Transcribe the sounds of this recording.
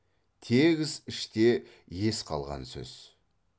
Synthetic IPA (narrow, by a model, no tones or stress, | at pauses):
t̪ʰe̞ɡʲɪzɪʃt̪e̞ | je̞sqʰɑ̰lˠʁɑ̰nsɵ̰z̥